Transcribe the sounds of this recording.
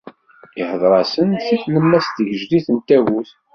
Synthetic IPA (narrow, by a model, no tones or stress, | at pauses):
ɪħəðˤɾˤɑsənθiθnəmːæst̪əʝʒliθənt̪æwuθ